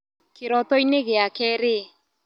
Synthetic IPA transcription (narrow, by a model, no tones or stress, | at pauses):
keɾɔt̪ɔineɣeakɛɾe